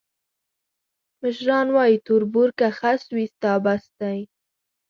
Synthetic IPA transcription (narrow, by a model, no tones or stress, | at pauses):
mɪʃɾɑnwɑjit̪uɾbʊɾkaxaswist̪ɑbasd̪aj